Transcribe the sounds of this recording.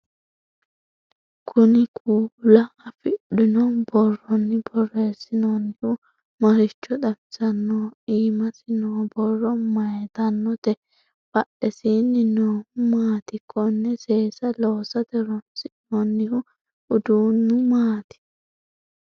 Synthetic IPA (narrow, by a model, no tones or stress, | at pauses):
kʰʊnɪkʰuːlɐːfɪɗɪnɔbɔrːɔnːɪbɔrːeːsɪnonːɪhʊ | mɐɾɪt͡ʃːɔd̪ɐmɪsɐnːɔiːmɐsɪnoːbɔrːɔmɐjɛt̪ɐnːɔt̪ɛ | bɐʔɛsiːnːɪnoːmaːt̪ɪkʰːɔnːɛseːsɐloːsɐd̪ɛɾɔnsɪnɔnːɪhʊ | ʊd̪uːnːʊmaːt̪ɪ̥